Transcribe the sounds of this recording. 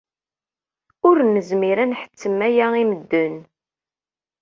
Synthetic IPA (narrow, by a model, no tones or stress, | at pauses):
ʊɾnəzmiɾænħə̥t͡sːəmæjæiməd̪ːən